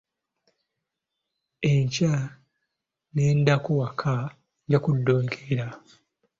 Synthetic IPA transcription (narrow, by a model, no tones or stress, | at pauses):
eɲca | neːndakowakʰa | ɟakudːoːŋkʰeɾa